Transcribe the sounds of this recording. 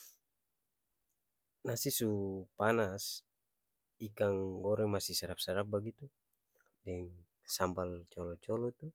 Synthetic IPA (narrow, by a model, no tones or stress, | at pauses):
nasisupanas | ikaŋɡɔɾɛmasisaɾap̚saɾap̚baɡit̪u | dɛŋ | sambalt͡ʃɔlɔt͡ʃɔlɔt̪u